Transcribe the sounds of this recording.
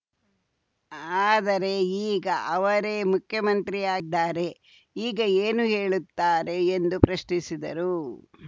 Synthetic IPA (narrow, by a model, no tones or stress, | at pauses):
aːd̪ɐɾe̞iːɡɐʔɐʋɐɾe̞ːmukʰjɐmɐnt̪ɾijaːd̪ːaːɾe̞ | iːɡɐeːnuɦe̞ːɭut̪ːaːɾe̞ːnd̪upɾɐʃɳisid̪ɐɾu